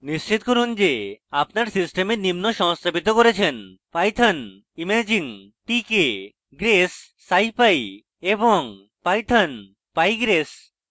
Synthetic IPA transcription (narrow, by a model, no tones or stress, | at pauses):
nist͡ɕit̪̚koɾund͡ʑeapnaɾsisʈemeɾnimnoʃɔmst̪ʰabit̪okoɾet͡ɕʰen | pajt̪ʰan | imad͡ʑiŋ | ʈike | ɡɾesː | ajpaj | eboŋ | pajt̪ʰan | pajɡɾes